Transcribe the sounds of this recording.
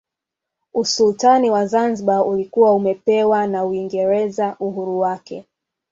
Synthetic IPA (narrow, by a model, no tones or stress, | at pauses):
usultaniwazanziɓaulikuwaumɛpɛwanauiŋɡɛɾɛzaʔuɦuɾuwakɛ̰